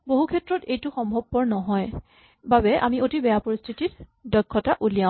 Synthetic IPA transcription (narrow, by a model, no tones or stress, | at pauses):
boɦukʰɛtɹɔtejtʊxɔmbʱɔb̚ːɔɹnɔɦɔj | babɛʔa̰miotibɛjapɔɹistʰititdɔkʰːɔtaʔulijã